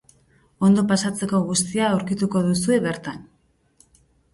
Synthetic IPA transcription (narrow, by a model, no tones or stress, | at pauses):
o̞nd̪o̞pasat͡se̞ko̞ɣ̞ust̪iaːwɾkit̪uko̞ðus̬ue̞βe̞ɾt̪an